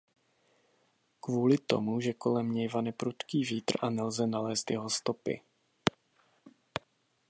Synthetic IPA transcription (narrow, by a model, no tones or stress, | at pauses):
kvuːlɪt̪o̞̰muʒɛko̞lɛmɲɛjvanɛpɾut̪kiːviːt̪r̩ʔanɛlzɛnalɛːst̪jɛɦost̪o̞pɪ̰